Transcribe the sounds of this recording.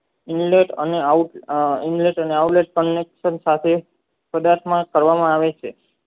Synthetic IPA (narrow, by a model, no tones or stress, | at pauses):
inleʈə̰neauʈinleʈəneawʈleʈ̚kənːekʃənsat̪ʰe | pəd̪aɾt̪ʰmãkəɾʋamãaʋet͡ʃʰe